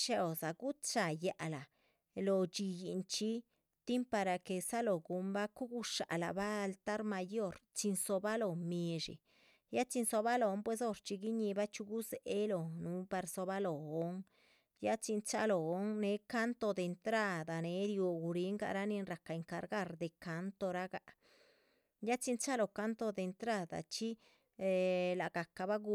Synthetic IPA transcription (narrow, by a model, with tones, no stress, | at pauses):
ʃe˦o˨za˨ɡu˦t͡ʃa˨ja˨la˨ | lo˨t͡ʃi˧ji˨˧nt͡ʃi˦ | t̪i˦mpa˧ɾa˧ke˨sa˦lo˨ɡu˨mba˦ku˦ɡu˦ʂa̰˨la̰˨baː˦˧lt̪a˦ɾma˧jo˦ɾt͡ʃi˧nso˧ba˦lo˨mi˧ʐḭ˨ | ja˦t͡ʃi˧nso˧ba˦lo˨˦mpwe˧s̬o˦ɾt͡ʃi˧ɡi˦ɲi˧ba˦t͡ʃu˧ɡu˦ze˨ʔe˦lo˨nu˦pa˧ɾso˧ba˦lo˨o˦ŋ | ja˦t͡ʃi˧nt͡ʃa˦lo˨o˦ŋne˨˦ka˦nt̪o˧d̪e˨˧nt̪ɾa˧d̪a˨ne˨˦ɾjo˧ɡu˨ɾi˦ŋɡa̰˧ɾa˦ni˧nɾa˨ka˨e˨ŋka˨ɾɡa˦ɾd̪e˨ka˨˦nt̪o˧ɾa˦ɡa˧ʔ | ja˦t͡ʃi˧˦nt͡ʃa˦lo˨ka˦nt̪o˧d̪e˨˧nt̪ɾa˧d̪a̰˨t͡ʃi˦˧ | la˨ɡ̥a˨ka˨ba˦ɡu˧˦